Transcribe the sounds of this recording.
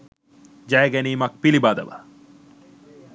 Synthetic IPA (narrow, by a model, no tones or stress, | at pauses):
d͡ʒæːɡɛniːmɐk̚pilibaːd̪ɐ̰ʋɐ̰